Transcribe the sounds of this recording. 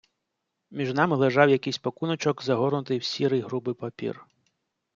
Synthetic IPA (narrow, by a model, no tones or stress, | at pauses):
mʲiʒnɑmɪlˠeʒɑwjɐkɪjsʲpɔkunɔt͡ʃɔkzɐɦɔrnʊt̪ɪjwsʲiɾɪjɦɾubɪpɐpʲḭr